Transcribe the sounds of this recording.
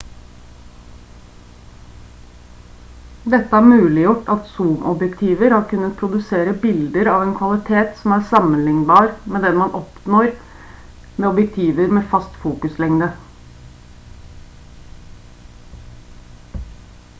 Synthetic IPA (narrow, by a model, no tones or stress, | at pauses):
d̪ɛt̪ːəæːɾmʉːlɪjʊʈːɑt̪suːmʔɔbjɛkt̪ʰiːʋəɾhɑːɾkʉnət̪̚pʰɾʊd̪ʉseːɾəbɪld̪əɾɑːʋeːnkʰʋɑlɪt̪ʰeːt̪sɔmæːɾsɑmənlɪŋbɑːɾmeːd̪ɛnmɑnʔɔpnoːɾ | meːɔbjɛk̚t̪ʰiːʋəɾmeːfɑst̪fuːkʉslɛŋd̪ə